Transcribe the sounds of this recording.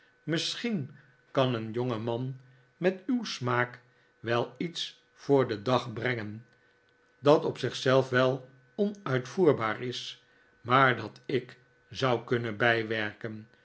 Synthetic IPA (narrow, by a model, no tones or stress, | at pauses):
məsχin | kɑnənjoŋəmɑn | mɛtywsmaːk | ʋɛlˠits | fʊːɹdədɑχbrɛŋən | dɑtɔpsɪχsɛlˠfʋɛlˠ | ɔnœɥtfuːɹbaːɹɪs | maːɹdɑtɪk | zɑwkɵnəbɛjʋɛɹkən